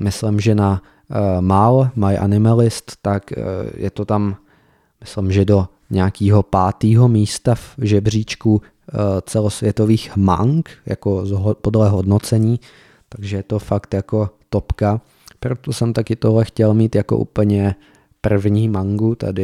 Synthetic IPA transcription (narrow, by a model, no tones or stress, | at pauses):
mɪslɪmʒɛna | malmajʔa̰nɪmalɪst̪ːakjʔɛ̰t̪ot̪am | mɪslɪmʒɛdo̞ | ɲɛakiːɦo̞paːt̪iːɦo̞miːst̪afʒɛbr̝iːt͡ʃku | t͡sɛlo̞svjɛt̪o̞viːxma̰ŋkja̰kozɦpodlɛɦodno̞t͡sɛɲiː | t̪aɡʒɛjɛt̪o̞fakt̪jako̞t̪o̞pka | pɾot̪osɛmt̪akɪt̪o̞ɦlɛxcɛlmiːt̪jako̞̰ʔṵːpl̩ɲɛ | pr̩vɲiːmaŋɡut̪a̰dɪ